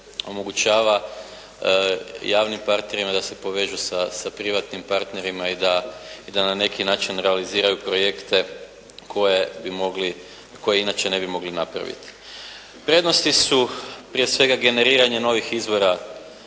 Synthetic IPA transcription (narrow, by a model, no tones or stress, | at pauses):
o̞moɡut͡ʃaːʋa | jaːʋnimpaɾt̪ne̞ɾimad̪ase̞po̞ʋe̞ʒusasapɾiʋat̪nimpaɾt̪ne̞ɾimaid̪aid̪anane̞kinaːt͡ʃinɾealiziːɾajupɾo̞je̞kt̪e̞ | kʰo̞jebimo̞ɡli | ko̞jeinat͡ʃe̞ne̞bimo̞ɡlinapɾa̰ʋḭt̪i̥ | pɾe̞d̪no̞st̪isupɾije̞sʋe̞ɡaɡe̞ne̞ɾiːɾaɲe̞no̞ʋixizbo̞ɾa